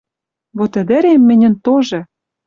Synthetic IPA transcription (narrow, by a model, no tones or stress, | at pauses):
βot̪ɘ̆d̪ɘ̆ɾemːɘ̆nʲɘ̆nt̪oʒɤ̆